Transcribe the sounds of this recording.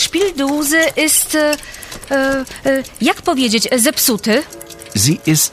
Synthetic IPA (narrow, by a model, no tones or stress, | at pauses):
ʂpʲild̪uzɘʔɛst̪ | jakpɔvʲjed͡ʑet͡ɕzɛpsut̪ɘ | ziʔɪst